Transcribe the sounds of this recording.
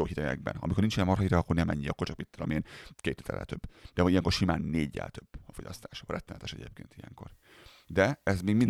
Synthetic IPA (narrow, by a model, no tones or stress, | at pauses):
oːhit̪ɛɡɛ̰ɡ̚bɛ̰nɒ̰mikornint͡ʃiɛmɒrɦɒiɾɛɒkːornɛmɛ̰ɲːiɒkːort͡ʃɒkmit̪ːolo̰meːnkeːt̪ːi̥ːt̪ʰɛ̰lːʔɛ̰t̪øbːd̪ɛijɛŋko̞rʃimaːnːeːɟːɛ̰lt̪øb̥ːɒfo̞ɟɒst̪aːʃɒrɛt̪ːɛnɛ̰t̪ɛʃɛɟḛːp̚keːnt̪ijɛ̰ŋko̞r | d̪ɛɛzmeːɡmin